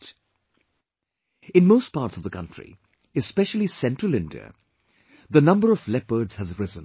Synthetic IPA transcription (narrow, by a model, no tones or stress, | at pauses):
ɪ̃nmoʊs̚pɑːʈsʌvðəkʰʌ̰̃ntɹ̥ḭ | ɨspɛʃl̩ˠisɛ̃ntɹ̥əlɪ̃ndḭə̰ | ðənʌ̃mbəɹʌvlɛpə˞dz̥hɨzɹɪzə̃n